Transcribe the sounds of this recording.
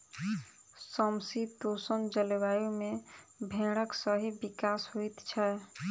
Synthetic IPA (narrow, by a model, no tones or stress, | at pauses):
səmsit̪osənd͡ʒəlewajumebʱẽɽ̃əksəɦibikasɦuit̪t͡ʃʰɛ